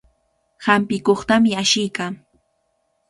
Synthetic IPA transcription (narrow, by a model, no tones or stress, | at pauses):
hampɪkoχt̪amɪaʃɪjka